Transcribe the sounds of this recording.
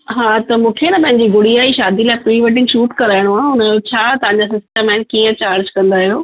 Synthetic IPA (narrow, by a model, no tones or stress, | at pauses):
ɦaːt̪ɐmũːkʰenɐpɐ̃ɦɪɲd͡ʑiɡʱʊɽiaːiʃaːd̪ilaːɪpuiʋəʈ̬ɪ̃ŋʃuːʈkɐɾaːɪɽ̃oaːʊnət͡ɕʰaːt̪ɐʋãɲ̆d͡ʑaːs̬ɪsʈə̃mãːnkiːə̃t͡ɕaːɾd͡ʑkɐ̃nd̪aɦijoː